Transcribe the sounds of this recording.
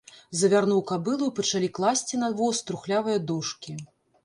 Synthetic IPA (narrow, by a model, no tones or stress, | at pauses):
zɐvʲarnuwkabɨlˠɨwpɐt͡ʂalʲiklˠasʲt͡sʲinavɔst̪ɾuxlʲavɨjɐd̪ɔʂkʲi